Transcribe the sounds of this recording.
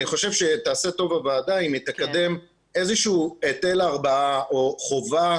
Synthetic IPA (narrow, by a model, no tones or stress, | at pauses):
niχo̞ʃevʃe̞t̪aːse̞to̞vavaːdaimit̪ekad̪e̞m | e̞zeʃuːet̪e̞laʁbaaoχo̞va